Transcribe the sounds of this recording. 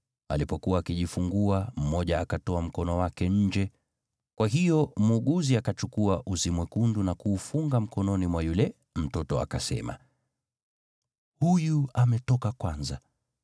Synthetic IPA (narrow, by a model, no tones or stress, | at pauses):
a̰lipɔkuwaːkiʄifuŋɡuam̩mɔʄaːkatɔam̩kɔnɔwakɛɲ̩d͡ʒɛ | kwaɦijɔmuːɠuziakat͡ʃukuaʔusimwɛkundunakuːfuŋɡam̩kɔnɔnimwajulɛ | m̩tɔtɔa̰kasɛ̰ma̰ | hujuamɛtɔkakwanza